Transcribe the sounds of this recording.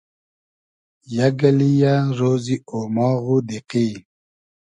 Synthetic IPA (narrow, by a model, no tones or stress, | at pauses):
jaɡəlijaɾoziomɔɣudeqi